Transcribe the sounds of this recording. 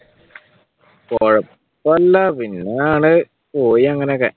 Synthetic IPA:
koɻɐpː | ɐlːɐpinːɐjaːɳɨ | poːjiɐŋːɐnekːḛ

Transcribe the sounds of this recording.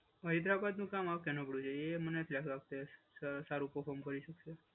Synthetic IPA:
əɦid̪ɾapad̪nũkamaʋkɛnopɽũd͡ʒeemənet̪ʰlakɾak̚t̪e | saɾũpəɾfʰɔɾmkəɾiʃəkʃe

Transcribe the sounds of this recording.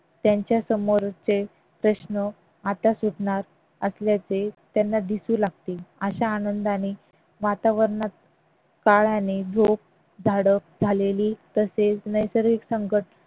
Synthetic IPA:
t̪jaɲt͡ɕjasəmoɾt͡se | pɾəɕnə | at̪asuʈɳaɾ | əsljat͡set̪janːad̪isũːlaɡ̚t̪eːəɕaːnənd̪añi | ʋat̪aʋəɾɳat̪̚ | kaɭjãnedʱop̚ | d͡zʱaɽək̚d͡zʱaleliːt̪əset͡snəjsəɾʋiksəŋkəʈ

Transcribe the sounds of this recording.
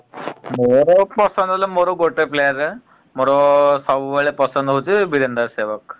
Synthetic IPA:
moɾopəsənd̪ʱoləmoɾoɡoʈeplejəɾe | mɔɾosaʋʋeɭepəsənd̪ɦot̪ibiɾənd̪əɾseʋək̚

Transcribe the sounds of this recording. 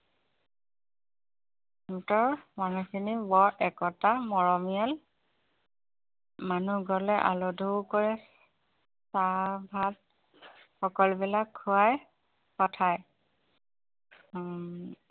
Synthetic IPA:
mtɔɹmanukʰinibɔɹɛkɔtamɔɹɔmijal | manuɡɔlɛʔa̰lodʱokɔɹɛ | sabʱat̚ | xɔkɔlbilakʰːuaj | pɔtʰaj

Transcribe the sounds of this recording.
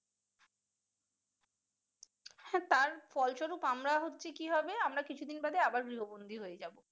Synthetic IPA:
hɛ̃t̪aɾfɔlʃoɾupamɾaɦotːɕʰekiɦɔbeamɾakit͡ɕʰud̪inbad̪eabaɾɡɾiɦobond̪ʱiɦojed͡ʑabo

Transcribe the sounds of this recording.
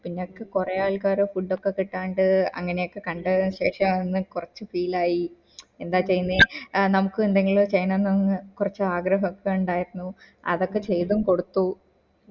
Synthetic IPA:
pinːeokːekurɐjaːɭkaːɾufuɖːokːe̞kiʈːaːɳɖɨɐ̰ŋːɐne̞jokːe̞kɐɳɖɐɕe̞ːʂɐmenːɨkurɐt͡ɕːɨfiːlaːji | e̞nd̪aːt͡ɕːe̞jːunːenɐmukːɨend̪ɐŋːiɭoːt͡ɕɐjnɐnːɐnːɨkurɐt͡ɕːɨaːɡɾɐɦɐkːeuɳɖaːjiɾunːu | ɐ̰ðo̞kːe̞t͡ɕe̞jt̪umko̞ɽut̪ːu

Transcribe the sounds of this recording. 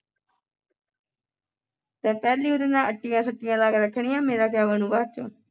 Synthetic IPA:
t̪ɛ̃ːpɛːliːʊd̪ə̃nd̪ãːəʈːijãːsəʈːijãːlaːɡːɾəkʰɳ̃ɪjãːmẽːd̪aːkʰjaːʋənũːʋaːt̪̚t͡ʃo̰ː

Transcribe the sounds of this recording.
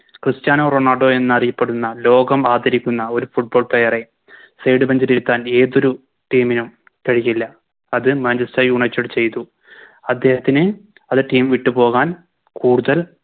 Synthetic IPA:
krɨstjaːnoːroːɳaːɖo̞ːe̞nːɨɐrijɐpːe̞ɽunːɐlo̞ːɡɐmaːd̪ɐɾikʲːunːɐo̞ɾufuʈ̚bo̞ːɭprejɐre̞ | sejɖɨbɐɲd͡ʑɐɾiɾut̪ːaːne̞ːðo̞ɾu | ʈiːminum | kɐɻijilːɐ | ɐðɨmaːnd͡ʑɐstɐjuːɳɐt͡ɕːɐɽɨt͡ɕe̞jt̪u | ɐd̪ːe̞ːhɐt̪ːinɨ | ɐðɨʈiːmʋiʈːupo̞ːɣaːn | kuːɽuðɐl

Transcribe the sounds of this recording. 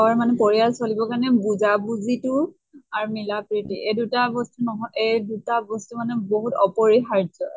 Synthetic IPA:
ɔɹmanɛpɔɹialsolibɔkaɹnɛbuzabuzitʊ | aɹmilapɹitiʔedutabɔstunɔɦɔʔedutabɔstumanɛboɦutɔpɔɹiɦaɹd͡ʒɔ

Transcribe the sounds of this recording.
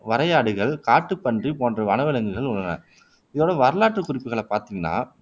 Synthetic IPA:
ʋɐɾɐjaːɽɯɣɐɭkaːʈːɯpːɐndripoːndrɐʋɐnɐʋɪlɐŋɡɯɣɐɭʊɭːɐnɐ̰ | ɪðoːɽɐʋɐɾɯlaːʈrɯkʊrɪpːɯɣɐɭɐpaːɾt̪iːŋɡɐnːa̰ː

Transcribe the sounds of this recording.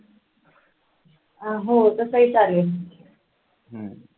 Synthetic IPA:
aɦot̪əsəɦiːt͡sale | ɦə

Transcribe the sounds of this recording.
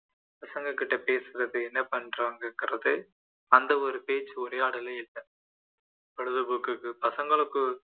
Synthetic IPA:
pɐsɐŋɡɐkɪʈːɐpeːsɯɾɐðɯɛnːɐpɐnɾaːŋɡɐkːɪɾɐðɯ | ɐnd̪ɐɔɾɯpeːt͡ʃːɯɔɾeːɐːɽɐlɐɪlːɐ | pɐɻɯðɯbʊkːɯkːɯpɐsɐŋɡɐɭɯkːɯ

